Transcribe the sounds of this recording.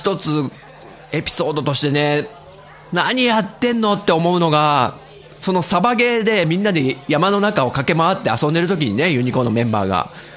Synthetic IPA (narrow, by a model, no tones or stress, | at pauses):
ç̥t̪o̞t͡sɨ | e̞pʲi̥so̞ːd̪o̞t̪o̞ɕi̥t̪e̞ne̞ | naɲ̟ijat̪ːẽ̞nːo̞t̪ːe̞o̞mo̞ɯ̟no̞ɡa | so̞no̞sabaɡe̞ːd̪e̞mʲĩnːad̪e̞jamano̞nakao̞kake̞maβat̪ːe̞asõ̞nd̪e̞ɾɯ̟t̪̬o̞k̬ʲiɲ̟ine̞jɯ̟ɲ̟iko̞no̞mẽ̞mba̰ːɡa̰